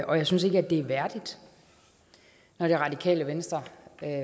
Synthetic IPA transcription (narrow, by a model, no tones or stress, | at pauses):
ɒ̽jäɪsynse̝ɡ̥æd̥e̝æɐʋæɐd̥id̥ | nɒɾ̥eʁɑ̈d̥ikʰɛ̰ːləʋensd̥ʁɐ